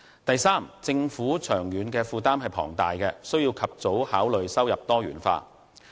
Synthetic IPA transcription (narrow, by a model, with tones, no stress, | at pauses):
t̪ɐ˨jsaː˥mt͡sɪ˧ŋfuː˨˥t͡ʃʰœː˨˩ŋjyː˨˧nkɛː˧fuː˨˧t̪aː˥mhɐ˨jpʰɔ̰ː˨˩ŋt̪a̰ː˨jkɛː˧sɵ˥wjiː˧wkʰɐ˨p̚t͡so˨˥whaː˨˥wlɵ˨ɥsɐ˥wjɐ˨p̚t̪ɔː˥ɥyː˨˥nfa̰ː˧